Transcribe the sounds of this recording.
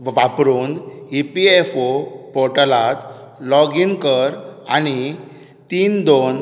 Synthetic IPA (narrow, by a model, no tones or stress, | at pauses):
ʋʋapɾuːnipiefopɔɾʈəlat̪ | lɔɡinkəɾa̰ñi | t̪iːnd̪on